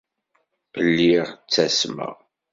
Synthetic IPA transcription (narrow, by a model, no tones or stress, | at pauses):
əlːiʁt͡sːæsmə̰ʁ